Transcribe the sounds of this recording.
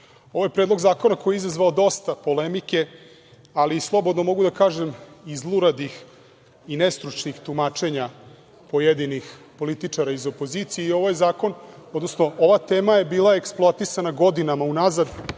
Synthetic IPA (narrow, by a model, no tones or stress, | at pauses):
oʋojepɾed̪lˠoɡzaːko̞nakojeizazʋaod̪o̞st̪apo̞lemike̞ | alislˠo̞bod̪no̞mo̞ɡud̪akaːʒemizlˠuɾad̪ix | inest̪ɾut͡ʃnixt̪umaːt͡ʃe̞ɲa | po̞jed̪inixpo̞lit̪it͡ʂaɾaizo̞po̞zit̪sijeio̞ʋajzaːko̞nod̪no̞sno̞ʔo̞ʋat̪e̞ːmaje̞biːlˠaeksplˠoat̪isanaɡo̞d̪inamaunazad̪